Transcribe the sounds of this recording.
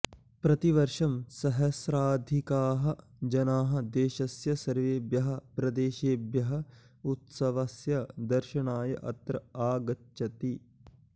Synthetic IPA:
pɾɐt̪iʋɐɾʃɐmsɐɦɐsɾaːd̪ʱikaːɦɐ̆ | d͡ʒɐnaːɦɐ̆d̪eːʃɐsjɐsɐɾʋeːbjɐɦɐ̆pɾɐd̪eːʃeːbjɐɦɐ̆ | ut̪sɐʋɐsjɐd̪ɐɾʃɐɳaːjɐʔɐ̰t̪ɾɐaːɡɐtːʃɐt̪i

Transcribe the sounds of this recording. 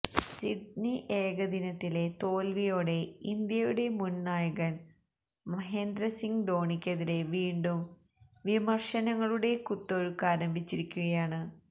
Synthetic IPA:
siɖ̚niʔeːɡɐd̪inɐt̪ːile̞t̪o̞ːlʋijo̞ːɽe̞ind̪jɐjuɽe̞munnaːjɐɣɐn | mɐɦeːnd̪ɾɐsiŋɡd̪o̞ːɳikʲːɐðile̞ʋiːɳɖum | ʋimɐrʂɐnɐŋːɐɭuɽe̞kut̪ːoɻukaːɾɐmbʱit͡ɕːiɾikʲːuɣɐjaːɳɨ

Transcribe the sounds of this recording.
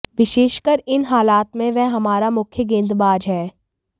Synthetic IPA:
ʋɪʃeːʃkəɾɪnɦaːlaːt̪mẽʋɛɦɐmaːɾamʊkʰjəɡẽːnd̪baːd͡ʒɦɛː

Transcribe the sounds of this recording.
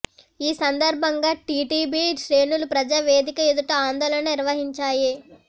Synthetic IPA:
iːsɐnd̪ɐɾbʱɐŋɡaːʈiːʈiːbiʃɾe̞ːnulupɾɐd͡ʒaːʋeːd̪ikɐjud̪uʈɐaːnd̪ɔːlɐnɐniɾʋɐɦiɲt͡ʃaːji

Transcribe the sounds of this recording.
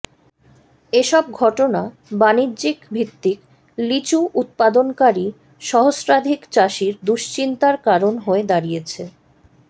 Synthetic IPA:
eʃɔb̚ɡʱɔʈona | banidːd͡ʑikbʱit̪ːik | lit͡ɕuʔut̪̚pad̪onkaɾi | ʃɔɦosɾad̪ʱikt͡ɕaʃiɾd̪uʃt͡ɕint̪aɾkaɾonɦoed̪aɾijet͡ɕʰe

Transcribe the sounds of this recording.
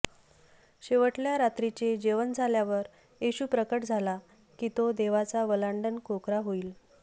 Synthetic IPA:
ɕeʋəʈljaɾat̪ɾit͡ɕed͡ʑeʋənd͡zʱaljaʋəɾ | eɕuːpɾəkəʈd͡zʱala | kiːt̪od̪eʋat͡saʋəlaɳɖənkokɾaɦoiːl

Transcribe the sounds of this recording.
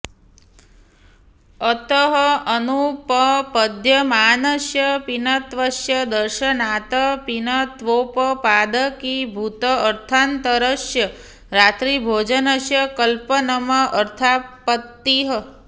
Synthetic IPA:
ət̪əɦəənupəpəd̪ʱjəmanəʃjəpinət̪ʋəʃjəd̪əɾʃənat̪əpinət̪ʋopəpad̪əkibʱut̪əːɾt̪ʰant̪əɾəʃjə | ɾat̪ɾibʱod͡ʒənəʃjəkəlpənəməʔəɾt̪ʰapət̪ːiɦə

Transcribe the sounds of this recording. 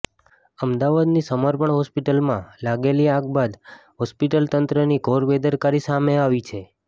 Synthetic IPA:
əmd̪aʋad̪nisəməɾpəɳɦɔspiʈəlmãlaɡeliaɡbad̪ɦɔspiʈəlt̪ənt̪ɾəniɡʱoɾbed̪əɾkaɾisameaʋit͡ʃʰe

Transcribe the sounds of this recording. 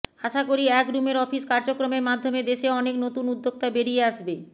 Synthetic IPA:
aʃakoɾiɛkɾumeɾɔfiskaɾd͡ʑokɾomeɾmad̪ʱːomed̪eʃeɔneknot̪unud̪ːoɡ̚t̪abeɾijeaʃbe

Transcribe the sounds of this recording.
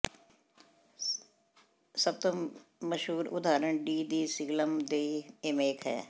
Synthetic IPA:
səb̚t̪omɐʃɦuːɾʊ̰d̪ʱaːɾəɳɖiːd̪iːsɪɡləmd̪eːemeːkɦɛ̰ː

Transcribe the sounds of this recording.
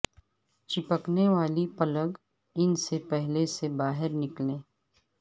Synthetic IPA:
t͡ʃɪpəkneʋaːlipɐləɡ | ɪnsepɛɦlesebaːɦɪɾnɪklẽː

